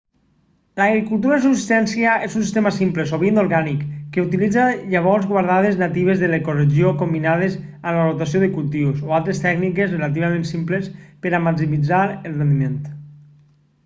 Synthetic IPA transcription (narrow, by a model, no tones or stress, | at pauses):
laɣɾikulˠt̪̬uɾas̬upsist̪ɛnsiaʔezuns̬ist̪emasimplesoβind̪oɾɣanikːeut̪ilid͡zaʎaβ̞ɔlzɣwaɾð̞að̞eznat̪iβ̞ezðelekoreziokombinað̞ez | alarot̪asioðekulˠt̪iwsoalˠt̪ɾest̪ɛɡnikezrelat̪̬iβamẽnsimplespeɾamaksimid͡zaɾelˠrend̪iment̪